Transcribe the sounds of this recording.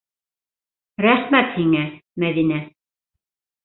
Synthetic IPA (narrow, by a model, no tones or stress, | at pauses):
ɾæχmæt̪hiŋæmæðinæ